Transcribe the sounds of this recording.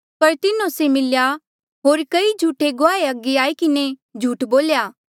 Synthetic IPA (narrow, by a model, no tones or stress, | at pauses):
pɐɾt̪ɪnõsemɪlja | ɦoːɾkɐid͡ʒʱuːʈeɡoaːeɐɡeaːikɪned͡ʒʱuːʈboːljaː